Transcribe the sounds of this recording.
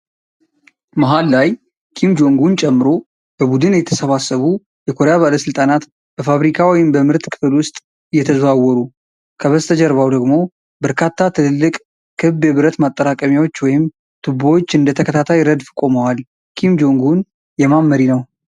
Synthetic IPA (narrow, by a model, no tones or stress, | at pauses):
maɦalːaj | kʰimd͡ʒo̞ŋɡunt͡ʃʼɛmːɨɾo̞ | b̥əbud̪ɨnjɛt̪ʰəsəβasːəβu | jɛkʰoɾaβaləsɨlt̪ʼanat̪ | b̥əfaβɾikʰawɔjɪmbəmɨɾt̪ʼkʰɨ̥fɨlwʊst̪ʼ | jɛt̪ʰəzβawɔɾu | kʰəβəst̪ʰəd͡ʒɛɾβawd̪əɡmo̞ | bəɾkʰat̪ʰːat̪ʰɨlɨlːɨkʼ | kʰɨbjɛβɨɾət̪mat̪ʼːəɾakʼəmjawo̞t͡ʃːwɔjɪm | t̪ʰɨboot͡ʃːɨnd̪ət̪ʰəkʰət̪ʰat̪ʰajɾəd̪fɨkʼo̞məwal | kʰimd͡ʒo̞ŋɡun | jɛmamːəɾinəw